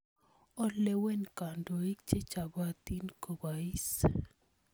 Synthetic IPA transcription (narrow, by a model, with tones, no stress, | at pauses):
ɔ˦le˦we˦nka˨ndo˨i˦k̚t͡ʃe˦t͡ʃa˨ba˦t̪i˦nko˨ba˨i˦s